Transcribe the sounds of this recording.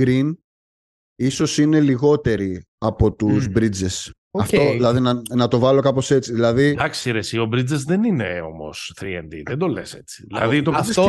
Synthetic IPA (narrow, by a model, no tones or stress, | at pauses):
ɡɾin | iso̞sine̞liɣo̞t̪e̞ɾi | ɐpo̞t̪uzbɾid͡zes | oɐftt̪oilɐðinɐnɐt̪o̞vɐlo̞kɐpo̞se̞t͡siðilɐðid̪ɐksiɾesiobɾid͡zezðenineo̞̰mo̞̰sθɾiḛnd̪ḭðend̪olese̞t͡si̥ðilɐ̰ðit̪oɐ